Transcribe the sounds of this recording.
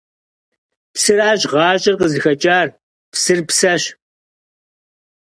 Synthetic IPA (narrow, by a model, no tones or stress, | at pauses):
psɨraːʑʁɑːɕʼɪrqəzɨxɐt͡ʃʼaːr | psɨrpsɐɕ